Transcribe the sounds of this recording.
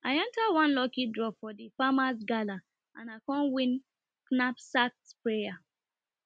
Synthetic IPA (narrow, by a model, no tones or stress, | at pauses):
ʔaɪɛ̃ntawɔ̃nlɔkidɹɔpfɔdifamasɡala | ʔãnaɪkɔ̃nwĩn | knapsak̚tpɹeja